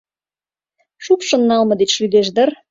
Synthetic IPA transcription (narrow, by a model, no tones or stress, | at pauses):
ʃukʃə̆nːɑlmɤ̆d̪et͡ɕʃyd̪eʃ̬d̪ər